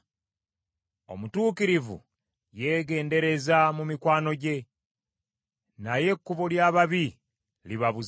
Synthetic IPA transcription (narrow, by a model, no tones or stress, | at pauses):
o̞̰mutuːkiɾivṵ | je̞ːɡe̞ːnde̞ɾe̞zamumikwaːno̞ɟe̞ | naje̞kːuβoljaːβaβi | liβaβu